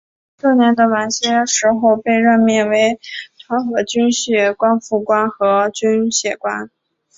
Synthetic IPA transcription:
ʈ͡ʂɤ˥˩njɛ˧˥nd̪ə˧wa˨˩nɕjɛ˥ʂɻ̩˧˥xo˥˧ʊpe˥˧ɪɻə˥˧nmjɛ˥˩nwe˧˥ɪt̪ʰwa˧˥nxɤ˧˥t͡ɕy˥nɕɛ˥˩kwa˥nfu˥˩kwa˥nxɤ˧˥t͡ɕy˥nɕjɛ˨˩kwa˥n

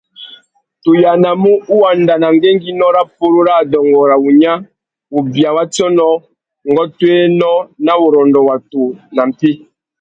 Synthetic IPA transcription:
tu˨ja˨na˨mu˦u˦wa˨nda˨na˨ŋɡe˦ŋɡi˦nɔ˦ɾa˦p̚o˦ɾo˦ɾa˦˨dɔ˨ŋɡɔ˨ɾa˨u˨ɲa˦ | o˨bi˨a˨wa˦tɔ˦nɔ˦ | ŋɡɔ˦twe˦nɔ˦na˦wo˨ɾɔ˨ndɔ˨wa˨to˨na˨m̩˨pi˦

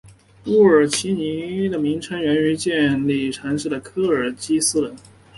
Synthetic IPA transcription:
u˥˩ə˞˨˩t͡ɕʰi˧˥ni˧˥d̪ə˨mi˧˥ŋʈ͡ʂʰɤ˧˥ŋɥɛ˧˥ny˧˥t͡ɕjɛ˥˧nli˥˩ʈ͡ʂʰa˧˥nʂɻ̩˥˩d̪ə˩kʰɤ˥ə˞˨˩t͡ɕi˥sɹ̩˥lə˧˥˦n

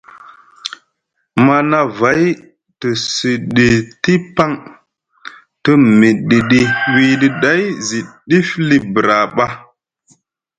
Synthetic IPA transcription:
ma˦na˦va˨˦j | tə˨si˨ɗi˨ti˦pa˦ŋ | tə˦mi˨ɗi˨ɗi˨wi˦ɗi˦ɗa˦jzi˨ɗi˦fli˦bɾa˨ɓa˦

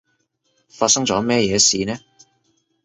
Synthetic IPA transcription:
faː˧t̚sɐ˥ŋt͡sɔː˨˥mɛː˥jɛː˨˧siː˨nɛː˥

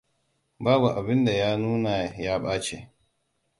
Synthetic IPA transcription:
baː˦bu˨ʔa˨bɪ˦nda˨jaː˦nuː˦na˨jaː˦ɓaː˦t͡ʃḛ˨

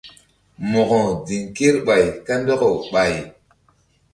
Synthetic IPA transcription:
mo˨kɔ˨di˨ŋke˦ɾɓa˨jka˦ndɔ˦ko˨ɓa˨j

